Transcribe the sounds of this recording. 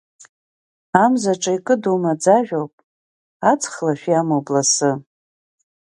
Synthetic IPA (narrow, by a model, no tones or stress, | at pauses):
amzaʈ͡ʂʼaikʼɨdomad͡zaʒᶣowpʼ | at͡sʰʼχlaʃᶣjamoblasɨ